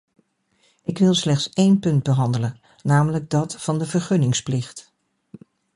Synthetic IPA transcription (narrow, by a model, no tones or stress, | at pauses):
ʔɪkʋɪlˠslɛχtsejnpɵndbəɦɑndələnː | aːmələɡ̚dɑtfɑndəvəɹχɵnɪŋsplɪχt